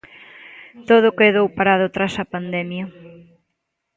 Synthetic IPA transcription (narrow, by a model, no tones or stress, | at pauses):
t̪oð̞ʊkeðowpaɾað̞ʊt̪ɾasɐpand̪ɛmjɐ